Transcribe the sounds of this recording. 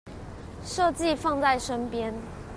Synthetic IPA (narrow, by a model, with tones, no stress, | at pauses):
ʂɤ˥˧t͡ɕi˥˨fɑ˥˧ŋt͡sa˥˩ɪʂə˦npjɛ˦n